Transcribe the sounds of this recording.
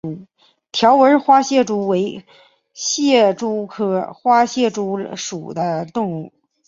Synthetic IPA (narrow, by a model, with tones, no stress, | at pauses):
t̪ʰjɑ˧˥ʊwə˧˥xwa˥ɕjɛ˥˩ʈ͡ʂu˥we˧˥ɪ | ɕjɛ˥˩ʈ͡ʂu˥kʰɤ˥xwa˥ɕjɛ˥˩ʈ͡ʂu˥ʂu˨˩d̪ə˦t̪ʊ˥˧ŋu˥˩